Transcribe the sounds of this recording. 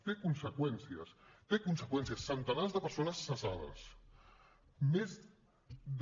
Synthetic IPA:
t̪ekunsəkwɛnsiəst̪ekunsəkwɛnsiəsːənt̪ənazðəpəɾsonəsːəzaðə̰s | mez | d̪

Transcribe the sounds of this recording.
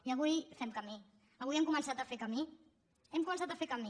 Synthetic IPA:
iəβ̞ujfɛmkəmi | əβujɛmkumənsat̪əfekəmi | ɛmkumənsat̪əfekəmi

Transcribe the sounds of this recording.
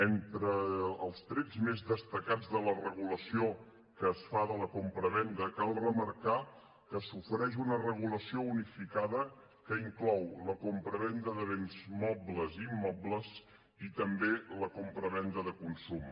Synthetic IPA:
ent̪ɾəːlˠst̪ɾɛd͡zmezðəst̪əkad͡zðələrəɣuləsio | kəːsfaðələkompɾəβɛnd̪əkalˠrəməɾka | kəsufəɾɛʃunərəɣuləsiounifikaðə | kəiŋklɔwləkompɾəβɛnd̪əðəβenzmɔbləzimːɔbləz | it̪əmbeləkompɾəβɛnd̪əðəkunsum

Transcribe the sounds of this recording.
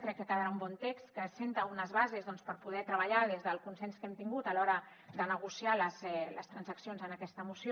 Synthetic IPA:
kɾɛkːəkəðəɾaumbɔnt̪ekst̪kəsent̪əunəzβazezðɔnspəɾpuð̞ɛt̪ɾəβəʎað̞ezðəlˠkunsɛnskɛmt̪iŋɡut̪əlɔɾə | d̪ənəɣ̞usialəzɛləst̪ɾənzəksionzənəkɛst̪əmusio

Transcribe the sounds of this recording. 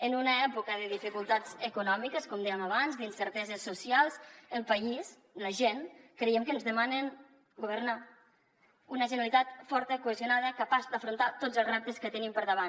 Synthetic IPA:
ənunəɛpukəðəðifikulˠt̪azəkunɔmikəskɔmd̪ɛjəmaβanzd̪insəɾt̪ɛzəsːusialˠzəlˠpəis | ləʒenkɾejɛmkənzðəmanən | ɡuβ̞əɾna | unəʒənəlit̪at̪fɔɾt̪əkuəzjunaðəkəpazd̪əfɾunt̪at̪ozəlzrɛp̚t̪əskət̪ənimpəɾðəβ̞an

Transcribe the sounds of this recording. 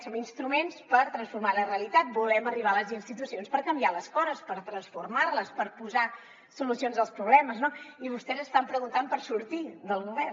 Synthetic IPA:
sominst̪ɾumenspəɾt̪ɾənsfuɾmaləreəlit̪at̪̚bulɛməriβ̞aələzinst̪it̪usionspəɾkəmbialəskɔzəspəɾt̪ɾənsfuɾmarləspəɾpuza | sulusionzəlˠspɾuβlɛməznoiβust̪ɛzəst̪ampɾəɣunt̪ampəɾsuɾt̪iðəlˠɣuβɛr

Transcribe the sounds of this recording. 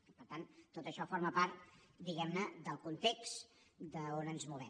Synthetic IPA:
pəɾt̪ant̪ːot̪əʃɔfoɾməpaɾt̪d̪iɣɛmnəd̪əlˠkunt̪ekstd̪əonənzmuβɛ

